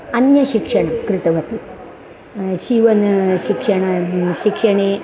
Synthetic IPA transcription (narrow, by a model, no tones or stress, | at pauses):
ɐnjɐɕikʂɐɳɐkɾɪt̪ɐʋɐt̪i | ʃiʋɐnɐʃikʂɐɳɐʃikʂɐɳeː